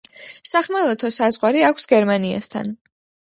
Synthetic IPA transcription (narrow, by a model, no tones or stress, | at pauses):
saχmalˠɔt̪ʰɔsazʁwaɾiakʷʰsɡɛɾmania̰st̪ʰa̰n